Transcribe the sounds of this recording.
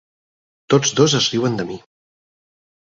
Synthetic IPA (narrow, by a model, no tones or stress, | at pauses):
t̪od͡zd̪ozəzriwənd̪əmi